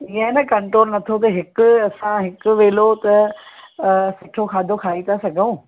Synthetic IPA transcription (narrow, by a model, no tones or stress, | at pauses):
ɪɦə̃nɐkɐ̃ɳʈɾoːlnɐt̪ʰot̪̬ɐɦɪkʊ̆ɐsãɦɪkʊ̆ʋeːlot̪ɐ | sʊʈʰokʰaːd̪ʱokʰaːit̪ʰasɐɡʱəũː